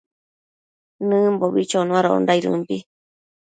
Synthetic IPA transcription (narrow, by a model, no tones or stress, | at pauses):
nɨ̃mboβit͡ʃonũaɾoo̰ndaiɾɨ̰̃mpi